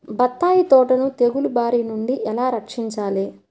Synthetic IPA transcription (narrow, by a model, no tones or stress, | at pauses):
bɐt̪ːaːjit̪ɔːʈɐnut̪eɡulubaːɾinuɳɖiʔɛlaːɾɐkʂiɲt͡ʃaːle